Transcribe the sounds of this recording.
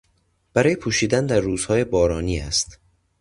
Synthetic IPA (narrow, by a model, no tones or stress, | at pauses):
b̥æɾɒːje̞pʰuːʃiːd̪ænd̪æɾːuːz̥hɒːje̞bɒːɾɒːniːæ̰st̪